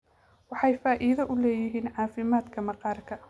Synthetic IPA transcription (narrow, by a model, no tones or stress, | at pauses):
wɑħɑjfaːʔɪðɐʔʊlɛːjɪɦiːnʕɑːfɪmaːd̪kʰɐmɐqɑːrkʰɐ